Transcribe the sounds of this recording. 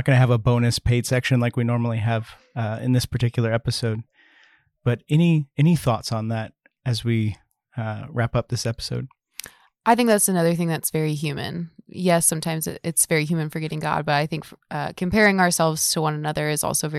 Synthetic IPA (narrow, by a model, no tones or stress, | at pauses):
t̚ɡ̥ʌ̃nɨːvəbõʊ̃nɨspʰeɪd̥sɛkʃɨ̃nlaɪkwinɔɹml̩ˠiɨv | ʌɪ̰̃nðɪspʰə˞tɪkjl̩ˠə˞ɛpɨsoʊd̚ | b̥ʌɾɛniɛñiθɔtsn̩ðæɾ̚ | ɨzwi | ɹæpʌp̚ðɪsɛpə̥soʊd̥̚ | ʔaɪθɪ̃ŋk̚ðætsɨnʌðə˞θɪ̃ŋðɨtsv̥ɛɹiɦjʉmɨ̰̃njɛsʌ̃mtʰãɪ̃mzɨ̰ɪtsv̥ɛɹiɦjʉmɨ̃nfə˞ɡɛɾɪ̃ŋɡɑ̰d̚bʌɾaɪθɪ̃ŋkʌ̰kʰɨ̃m̩pʰɛɹɪ̃ŋə˞sɛlˠvz̥tʰəwʌ̃nənʌðə˞ɨzɔ̰lˠsoʊvɛ